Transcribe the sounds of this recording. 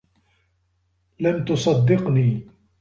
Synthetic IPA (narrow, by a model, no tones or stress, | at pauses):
lamt̪ʊsˤɑd̪ːɪqniː